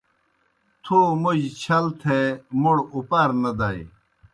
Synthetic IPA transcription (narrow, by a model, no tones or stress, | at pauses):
t̪ʰuːmud͡ʑt͡ɕʰɐlt̪ʰemuɽupaːɾnɐd̪aːj